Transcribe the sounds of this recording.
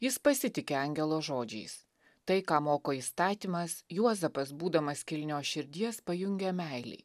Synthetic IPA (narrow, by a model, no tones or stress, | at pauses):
jɪspɐsʲɪt̪ʲɪkʲeːɐŋʲɡʲɛlˠoːʒoːd͡ʒʲɛ̰ɪs | t̪ɐɪkɑːmoːkoːiːst̪ɑːt̪ʲimɐsjuɔzɐpɐsbuːd̪ɐmɐskʲɪlʲnʲoːʃʲɪɾʲd̪ʲiɛspɐjʊŋʲɡʲɛmʲæˑɪlʲɛ̰ɪ